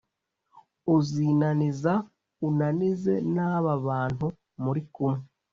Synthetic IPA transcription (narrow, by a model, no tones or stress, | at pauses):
uziːnaniza | unanize̞̰naːβaβaːn̥hu | muɾikumŋe